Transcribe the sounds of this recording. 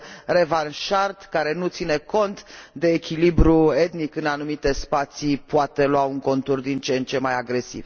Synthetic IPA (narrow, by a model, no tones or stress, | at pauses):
re̞vanʃart̪kaɾe̞nut̪sine̞ko̞nt̪d̪e̞ːkʲilibɾue̞t̪nikɨnanumit̪e̞spat̪sipoat̪e̞lwauŋko̞nt̪urd̪int͡ʃent͡ʃe̞majaɡɾe̞sḭv̥